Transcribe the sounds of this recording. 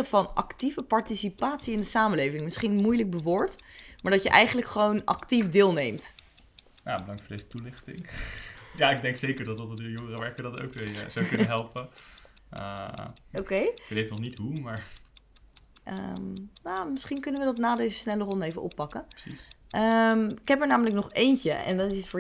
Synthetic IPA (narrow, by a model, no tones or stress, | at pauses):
əvɑnɑ̰ktivəpɑɹtisipaːtsiɪndəsaːməlejvɪŋmɪsχinmujlək̚bəʋʊːɹtmaːɹdɑtjəʔɛjχənələkχəʋownʔɑ̰ktifdɪːlˠnejmt | ja̰ːbədɑŋtfʊːɹdezə̥tulɪχtɪ̰ŋ | jaːɪɡ̚dɛŋksejkəɹdɑtɑtdəjɔŋərəʋɛɹkʋədɑto̰wkeə̰zowkɵnəɦɛlˠpə | ə̰okejʋetejvənɔχnitɦumaːɹ | ʔə̰namɪsχinkɵnənʋədɑtnaːdejzəsnɛlərɔndejvənʔɔ̰pːɑkə̥sisʔəmɪkɦɛpəɹnaːmələknɔχejncə̰ɛ̰ndɑtɪsfʊ